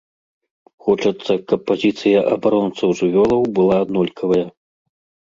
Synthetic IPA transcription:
xɔt͡ʂɐt̪sːɐkɐpːazʲit̪sɨjɐʔɐbaɾɔnt̪sɐwʐɨvʲɔlˠɐwbɨlˠad̪nɔlʲkʰɐvɐjɐ

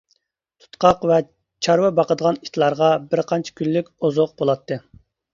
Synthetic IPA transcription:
t̪ʰu̥t̪qɑqvɛ | t͡ʃʰɑɾwɛbɑqəd̪əʁɑnit̪ʰlˠɑɾʁɑbɪɾqʰɑnt͡ʃʰi̥kʲʰylːykʲozoq̚b̥olˠɑt̪ʰːɨ

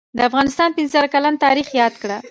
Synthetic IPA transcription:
d̪əafɣɑnɪst̪ɑnpɪnzəɾakalant̪ɑɾixjɑd̪kɽa

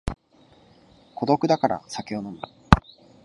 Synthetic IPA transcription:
kʰo̞d̪o̞kɯ̟d̪akaɾa̰sakʲeonomɯ̟

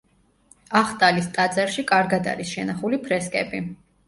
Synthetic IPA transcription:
aχt̪ʼalist̪ʼad̪zʼɛɾʃikʼaɾɡad̪a̰ɾisʃɛnaχulipʰɾɛskʼɛ̰bi

